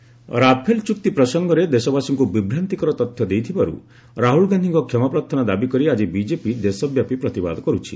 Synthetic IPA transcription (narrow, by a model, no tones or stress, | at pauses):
ɾapʰelt͡ʃuk̚t̪ipɾɔsɔŋɡɔɾed̪esɔbasɔŋkubibʱɾant̪ikɔɾɔt̪ɔt̪ʰjɔd̪ejt̪ʰibaɾṵ | ɾaɦuɭɡand̪ʱiŋkɔkʰɔmapɾɔt̪ʰɔnad̪abikɔɾiad͡ʒibid͡ʒepid̪esɔbjapipɾɔt̪iba̰d̪ɔkɔɾut͡ʃʰi̥